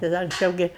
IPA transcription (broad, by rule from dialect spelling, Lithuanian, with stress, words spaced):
tɐɪ ˈdɐ ɐŋksʲˈt͡ʃʲɛʊ ˈɡʲɪ